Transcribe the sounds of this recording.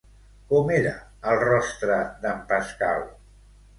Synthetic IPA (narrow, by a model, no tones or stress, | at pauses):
kɔmeɾə | əlˠrɔst̪ɾəðəmpəskal